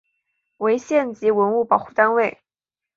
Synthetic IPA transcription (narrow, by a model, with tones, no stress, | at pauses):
we˧˥ɪɕjɛ˥˩nt͡ɕi˧˥wə˧˥nu˥˩pɑ˨˩ʊxu˥˩t̪a˥nwe˥˩ɪ